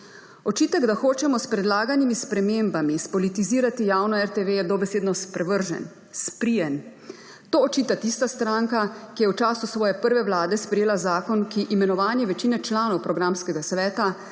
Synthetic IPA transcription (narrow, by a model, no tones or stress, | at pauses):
ɔt͡ʃiːt̪ɛɡd̪axoːt͡ʃɛmɔspɾɛd̪laːɡanimispɾɛmembamispɔlit̪iziːɾat̪ijaːwnɔɛɾt̪eʋeɛd̪ɔbɛseːd̪nɔspɾɛʋəɾʒɛ̰n | spɾijɛn | t̪oːɔt͡ʃiːt̪at̪ist̪ast̪ɾaŋkakijɛwt͡ʃaːsusʋɔːjɛpəɾʋɛʋlaːd̪ɛspɾɛjeːlazaːkɔnkiʔimɛnɔʋaːnjɛʋɛt͡ʃiːnɛt͡ʃlaːnɔwpɾɔɡɾamskɛɡasʋɛːt̪a